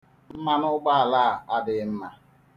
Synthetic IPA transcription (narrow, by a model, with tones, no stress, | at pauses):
m̩˦ma˦nʊ˦ɡ͡ba˦a˨laː˦˨a˦dɪ˨˦m̩˦ma˨